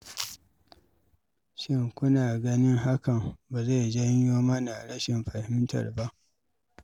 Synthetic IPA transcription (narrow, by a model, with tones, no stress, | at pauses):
ʃɪ˦˨ŋkʷʊ˦naː˨ɡɐ˦nɪ˦ŋɦa˦kɐ˨mba˨za˦˨d͡ʒɐ˦ɲjoː˦mɐ˦na˨ɽɐ˦ʃɪ˨mɸɐ˨hɪ˦mtɐ̰˨rba˦ʔ